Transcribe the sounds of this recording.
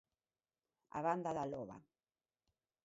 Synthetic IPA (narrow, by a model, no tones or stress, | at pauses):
a̰βand̪aðaloβa̰